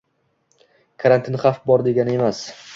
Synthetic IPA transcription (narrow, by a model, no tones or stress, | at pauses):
kʰaɾant̪ʰɪnχafbɒɾd̪e̞ɡʲanɪe̞mas